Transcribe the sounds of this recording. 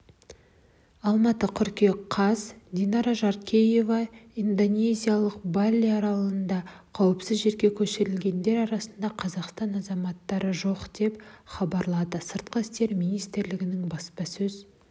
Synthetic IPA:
ɑlˠmɑt̪əqʰʏɾkʲeqʰɑzd̪inɑɾaʒɑɾkʲʰeje̞vɑind̪o̞nʲe̞zʲijalˠəqbɑlʲːiɑɾɑlˠənd̪ɑqʰɑwəpsɪzʒe̞ɾɡʲe̞kʲʰɵʃɪɾɪlɡʲe̞nd̪e̞ɾɑɾɑsənd̪ɑqʰɑzɑqst̪ɑnɑzɑmɑt̪ːɑɾəʒo̞qd̪e̞pχɑbɑɾlˠɑd̪əsəɾt̪̚qəɪst̪e̞ɾmijnijst̪ɪɾlɪɡʲɪnɪŋbɑspɑsɵz

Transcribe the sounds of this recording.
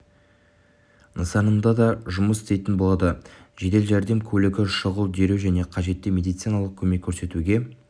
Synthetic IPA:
nəsɑnəmd̪ɑd̪ɑʒʊməsɪ̥st̪e̞jt̪ɪnbo̞lˠɑd̪əʒe̞d̪e̞lʒæɾd̪e̞mkʲʰɵlɪɡʲɪʃəʁəlˠd̪e̞ɾewʒæne̞qʰɑʒe̞t̪ːɪme̞d̪ijt̪sijnɑlˠəq̚kʲʰɵme̞kʲʰːɵɾse̞t̪uɡʲe̞

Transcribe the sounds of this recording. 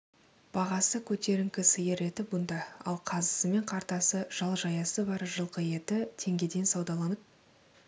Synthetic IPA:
b̥ɑʁɑsəkʲʰɵt̪e̞ɾɪŋkʲɪsəjəɾe̞t̪ɪbʊnd̪ɑɑ̰lˠqʰɑzəsəme̞ɴqʰɑɾt̪ɑsəʒ̥ɑlˠʒɑjɑsəbɑɾʒəlˠqəje̞t̪ɪt̪ʰe̞ŋɡʲe̞d̪e̞nsɑwd̪ɑlˠɑnəp̚

